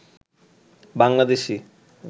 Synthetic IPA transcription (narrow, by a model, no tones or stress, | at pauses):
baŋlad̪eʃi